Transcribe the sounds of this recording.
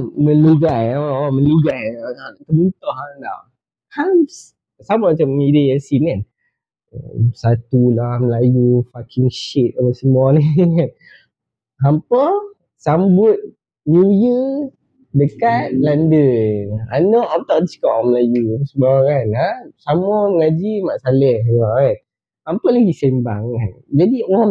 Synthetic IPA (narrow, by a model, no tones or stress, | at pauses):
mə̃nuɡajawawamə̃nluɡajat̪əbunt̪ɔhada̰w | hams | sambamat͡ʃamidəjasinan | sat̪ulaməlajufakiŋʃit̪̚ovəsəmanian | hampɔ | sambʊt̪̚ | njujə | dəkat̚landəanɔʔamt̪ɔʔdisi̥kɔʔməlajusəbakanasamɔməŋad͡ʒimaʔsalɛjakan | hampɔlaɡisɛmba̰ŋkand͡ʒadiɔa